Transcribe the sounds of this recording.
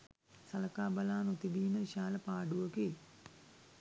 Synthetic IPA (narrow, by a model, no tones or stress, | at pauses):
sɐləkaːbalaːnot̪ibiːməiʃaːləpaːɖuʋəke